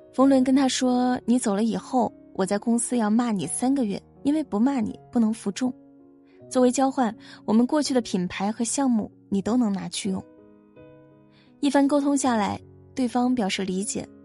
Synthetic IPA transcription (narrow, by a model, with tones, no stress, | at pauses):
fɤ˧˥ŋlwə˧˥nkə˥nt̪ʰa˥ʂwɔ˥ni˧˥t͡so˨˩lə˦i˨˩xo˥˩ʊ | wʔɔ˨˩t͡sa˥˩ɪkʊ˥ŋsɹ̩˥jɑ˥˧ʊma˥˩ni˨˩sa˥nɡə˧ɥɛ̰˥˩ | i˥nwe˥˩ɪpu˧˥ma˥˩nḭ˨˩pu˥˩nɤ˧˥ŋfu˧˥ʈ͡ʂʊ˥˩ŋ | t͡swɔ˥˩we˧˥ɪt͡ɕjɑ˥ʊxwa˥˩nwɔ˨˩mə˦nkwɔ˥˧t͡ɕʰy˥˩d̪ə˩pʰi˨˩npʰa˧˥ɪxɤ˧˥ɕjɑ˥˧ŋmṵ˥˩ | ni˨˩t̪o˥ʊnɤ˧˥ŋna˧˥t͡ɕʰy˥˧jʊ̰˥˩ŋ | i˥˩fa˥nko˥ʊt̪ʰʊ˥ŋɕja˥˩la˧˥ɪt̪we˥˩ɪfɑ˥ŋpjɑ˨˩ʊʂɻ̩˥˩li˧˥t͡ɕjɛ̰˨˩˦